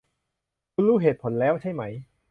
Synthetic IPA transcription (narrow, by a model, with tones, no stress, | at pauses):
kʰuː˧nɾuː˥˩ɦeː˨˩t̪̚pʰo˩˦nlɛː˦˥wt͡ɕʰa˥˩jma˦˥j